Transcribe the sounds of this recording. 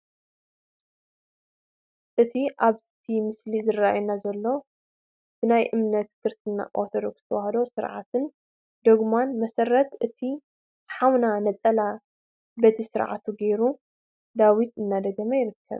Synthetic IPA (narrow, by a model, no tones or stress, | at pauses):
ʔɨt̪ʰiʔaβt̪ʰimɨslizɨraa̰junazɐlːo̞ | b̥ɨnajʔɨmnɐt̪kʰɨɾst̪ʰɨnːa̰ʔoɾt̪ʰod̪o̞̰ksɨt̪ʰɐwahɐd̪o̞sɨɾʕa̰t̪ʰɨn | d̪oɡmanmɐsɐɾɐt̪ʔɨt̪ʰi | ħawnanɐt͡sʼɐla | bɐt̪ʰisɨɾʕa̰t̪ʰuɡejɾu | d̪awit̪ɨnːad̪ɐɡɐmɐjɪɾɨkʰːɐ̰β